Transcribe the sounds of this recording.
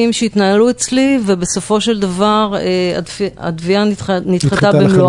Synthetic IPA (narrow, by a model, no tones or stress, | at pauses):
imʃeit̪naaluet͡slivebeso̞fo̞ʃe̞ld̪avaʁea̰a̰d̪vianit̪χat̪abemlo